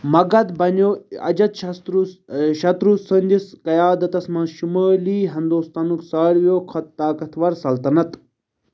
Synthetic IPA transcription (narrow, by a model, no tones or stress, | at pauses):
mɐɡɐt̪bɐnoɐ̰d͡ʒɐt̪ | ʃɐt̪ɾusɐnd̪iskɐjaːd̪ɐt̪ɐsmɐ̃ːʃumaːliːɦɐnd̪oːst̪anuksaːɾʋjoːkʰɐt̪t̪aːkɐt̪ʰʋɐɾsɐlt̪ɐnɐt̪